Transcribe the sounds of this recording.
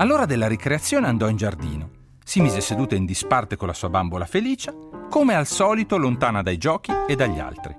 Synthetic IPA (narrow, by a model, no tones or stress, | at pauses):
alːoːɾad̪elːaɾikɾeat̪sːjoːneand̪ɔind͡ʒard̪ḭːno | simiːzesed̪uːt̪aind̪ispart̪ekolːasuːabambolafeliːt͡ʃakomealsɔːlit̪olont̪aːnad̪ajd͡ʒɔːkied̪ːaʎːa̰lt̪ɾḭ